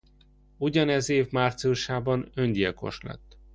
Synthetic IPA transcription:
uɟɒnɛzeːvmaːrt̪siuʃaːbɒnønɟ̪ijɛko̞̰ʃlɛ̰t̪ː

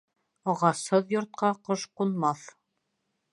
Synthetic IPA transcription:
ɑʁɑshɤðjŏɾt̪̚qɑqɤʃqunmɑθ

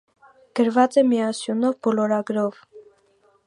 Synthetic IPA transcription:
ɡ̥əɾvɑt͡sɛmiɑsjunɔvbɔlɔɾɑɡɾɔv

